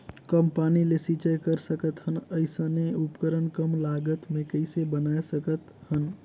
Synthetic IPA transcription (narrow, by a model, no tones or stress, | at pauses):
kəmpanilesit͡ʃəjkəɾsəkət̪ɦənəɪsə̃neupkəɾənkəmlaɡət̪mekəɪsebənaesəkət̪hən